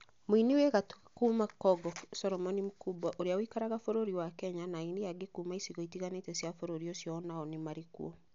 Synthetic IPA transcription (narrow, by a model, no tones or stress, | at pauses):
moiniwɛɣatkumakɔɡɔfsɔɾɔmɔnimukubaʔoɾeawikaɾaɣafoɾoɾiwakɛɲanainiaɡekumaisiɣɔitiɣanetɛsjafoɾoɾiɔsjɔnaɔnemaɾekṵɔ